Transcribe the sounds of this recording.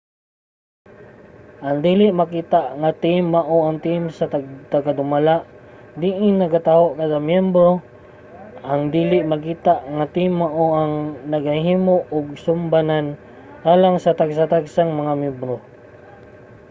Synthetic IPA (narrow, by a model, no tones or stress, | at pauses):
ʔaŋd̪iːlɪʔmakiːt̪aʔŋat̪imːaʔoaŋt̪imsat̪at̪aɡad̪ʊmalaʔ | d̪iʔɪnːɐɡat̪aoʔkaɡamjɛmbɾo | ʔaŋd̪iːlɪʔmakiːt̪aʔŋat̪imːaʔoʔaŋnɐɡahiːmoʔʊɡ̚sʊmbanan | ʔaːlaŋsat̪aɡs̬at̪aɡsaŋmɐŋamɛbɾo